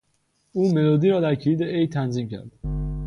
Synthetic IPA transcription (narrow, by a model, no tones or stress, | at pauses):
uːmeloːd̪iːɾɒːd̪æɾcʰeliːd̪eʔejt̪ʰænziːmcʰæ̰ɾd̪̥